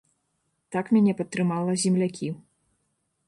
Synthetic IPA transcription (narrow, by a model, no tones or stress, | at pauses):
t̪akmʲanʲɛpɐt̪ːɾɨmalˠɐzʲimlʲakʲi